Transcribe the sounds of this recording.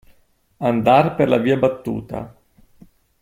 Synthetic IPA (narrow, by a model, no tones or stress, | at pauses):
and̪arperlaviːabat̪ːṵːt̪a̰